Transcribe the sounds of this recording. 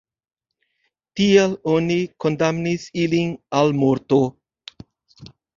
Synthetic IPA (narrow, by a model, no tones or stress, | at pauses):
t̪ielonikond̪amnisilinalmoɾt̪o